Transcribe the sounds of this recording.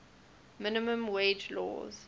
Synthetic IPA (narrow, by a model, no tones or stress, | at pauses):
mɪnɪmə̃mweɪd͡ʒlɔ̰ːz̥